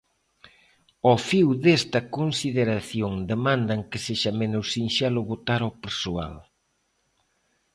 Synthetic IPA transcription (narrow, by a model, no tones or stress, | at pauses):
ofiwðest̪ɐkonsiðeɾaθjoŋd̪emãnd̪ɐŋkeseʃɐmenʊsinʃɛlʊβot̪aɾowpeɾsoa̰l